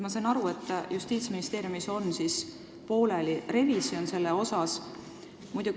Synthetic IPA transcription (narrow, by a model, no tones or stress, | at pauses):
mɑsɑnɑɾue̞t̪ːˑjust̪iːt̪sminist̪e̞ːɾijumiso̞nsis | po̞ːle̞lire̞visio̞nse̞lːeo̞sɑs | mujd̪̥u